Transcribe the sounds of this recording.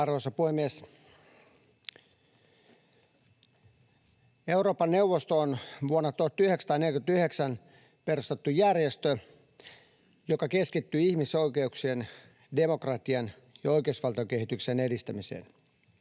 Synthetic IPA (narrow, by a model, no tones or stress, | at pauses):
ɑrʋosɑpuhemːies | e̞uro̞ːpɑnːe̞wʋːost̪oːnʋuonːɑt̪uht̪yheksɑt̪ɑːneljʲkyd̪t̪yheksæn | pe̞rust̪et̪ːujærjest̪ø | jokɑkeskit̪ːyihmisoike̞uksien | demokrɑt̪iɑn | jɑo̞ikeusʋɑlt̪ɑokeɦit̪yksene̞dist̪æmisḛːn